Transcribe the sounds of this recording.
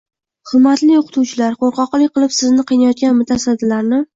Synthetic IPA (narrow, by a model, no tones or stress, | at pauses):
χʊlmat̪lɪjoqʰɨ̥t̪ʰuwt͡ʃʰɪlaɾqʰoɾqʰɒqlˠɪqʰɨlˠɪpsɪznɪqʰɨjnajɒt̪̚ɡʲanmʊt̪ʰasad̪ːɪlaɾnɪ